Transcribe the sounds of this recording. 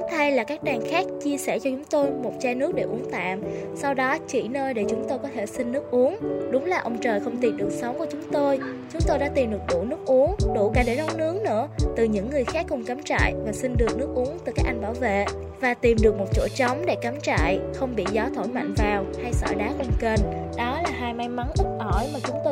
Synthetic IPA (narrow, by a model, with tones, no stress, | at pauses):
a˧jlaː˨˩kaː˦˥k̚ɗaː˨˩ŋxaː˦˥k̚t͡ɕi˧əsɛ˧˩t͡ɕɔ˧t͡ɕʊ˨˦ŋ͡mt̪o˧jmo˨˩t̚t͡ɕaː˧nɨ˦˥ək̚ɗe˧˩ʔu˨˦əŋt̪a̰ː˧˨msa˧wɗɔ˨˦t͡ɕi˧˩nəː˧jɗe˧˩t͡ɕʊ˨˦ŋ͡mt̪o˧jkɔ˨˦t̪ʰe˧˩sï˧ŋ̟nɨ˦˥k̚ʔu˨˦əŋɗʊ˨˦ŋ͡mlaː˨˩ʔə˧wŋ͡mt͡ɕəː˨˩jxə˧wŋ͡mt̪i˨˩nɗɨ˨˩ək̚sə˨˦wŋ͡mku˧˩ət͡ɕʊ˨˦ŋ͡mt̪o˧jt͡ɕʊ˨˦ŋ͡mt̪o˧jɗa̰ː˧˥t̪i˨˩mɗɨ˨˩ək̚ɗṵ˧˩nɨ˦˥k̚ʔu˨˦əŋɗṵ˧˩kaː˧˩ɗe˧˩nɔ˧˦wŋ͡mnɨ˨˦əŋnɨ̰˧˥ət̪ɨ˨˩ɲɨ̰˧˥ŋːɨ˨˩əjxaː˦˥k̚ːʊ˨˩ŋ͡mkaː˨˦mt͡ɕa̰ː˧˨jvaː˨˩sï˧ŋ̟ɗɨ˨˩ək̚nɨ˦˥ək̚ʔu˨˦əŋt̪ɨ˨˩kaː˦˥k̚ʔa˧jŋɓaː˧˩wvḛ˧˨ | vaː˨˩t̪i˨˩mɗɨ˨˩ək̚mo˨˩t̚t͡ɕo˧˩t͡ɕə˨˦wŋ͡mɗḛ˧˩ka˨˦mt͡ɕa̰ː˧˨jxə˧wŋ͡mɓḭ˧˨zɔ˨˦t̪ʰo˧˩jma̰˧˨jŋ̟vaː˨˩wha˧jsə̰ː˧˩ɗaː˨˦kwnkə˨˩nɗɔ˨˦laː˨˩ɦaː˧jma˧jma˨˦nʔ̪i˦˥t̚ʔɔ˧˩jmaː˨˩t͡ɕʊ˨˦ŋ͡mt̪o˧